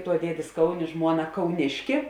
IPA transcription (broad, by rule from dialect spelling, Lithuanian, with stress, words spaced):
tuɔ ˈdʲiɛdʲeːs ˈkɐʊˌnʲeː ˈʒmuɔˌnɐ kɐʊˈnʲɪʃʲkʲɪ